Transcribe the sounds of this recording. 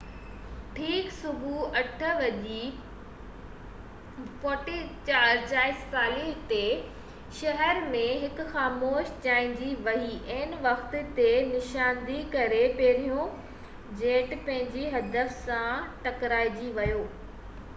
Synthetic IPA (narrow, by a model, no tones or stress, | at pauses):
ʈʰiːksʊbʱuɐʈʰə̆ʋɐʄi | pɔːʈit͡ɕaːɾt͡ɕaːɪsːaːlɪɦt̪e | ʃɐɦɛɾmẽɦɪkʊ̆xaːmoːʃd͡ʑaːɪ̃ɲd͡ʑiʋɐɦiʔɐɦɪnʋɐxt̪t̪enɪʃaːnd̪ikɐɾepɐɦɪɾijõ | d͡ʑeːʈpɐ̃ɦɪ̃ɲd͡ʑiɦɐd̪əfsãʈɐkɾaːid͡ʑiʋɐjoː